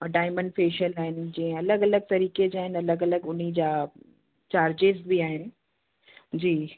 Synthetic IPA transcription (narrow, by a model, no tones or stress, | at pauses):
ɖaːɪmə̃ɳɖfeːʃəlaːɦɪnɪ̆d͡ʑɐ̃ɦɪ̃ɐləɡɐləɡ̚t̪ɐɾiːked͡ʑaːɦɪnɐləɡɐləɡʊn̤id͡ʑaː | t͡ɕaːɾd͡ʑɪzbiaːɦɪnɪ̆ | d͡ʑiː